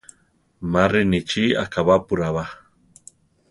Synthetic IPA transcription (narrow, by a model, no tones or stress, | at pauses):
marinit͡ʃia̰kaβapuɾaβa